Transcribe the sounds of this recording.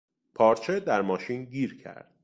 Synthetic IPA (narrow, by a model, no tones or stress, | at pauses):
pʰɒːɾt͡ʃʰe̞d̪æɾmɒːʃiːnɟiːɾcʰæ̰ɾd̪̥